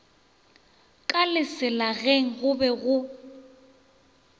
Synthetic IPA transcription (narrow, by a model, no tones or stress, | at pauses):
kʼalɪsɪlaɣeŋ̩ɣʊbɛɣʊ